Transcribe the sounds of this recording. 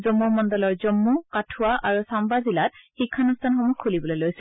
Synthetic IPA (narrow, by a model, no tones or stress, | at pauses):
zɔmːumɔndɔlɔɹzɔmːukatʰʊwaʔaɹusambazilat̚xikʰːanustʰanxɔmukʰːulibɔlojlojsɛ